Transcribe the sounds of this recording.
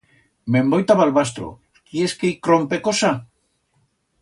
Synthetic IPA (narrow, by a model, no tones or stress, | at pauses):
mẽmbojt̪aβalβast̪ɾo̰ | kieskejkɾompekosa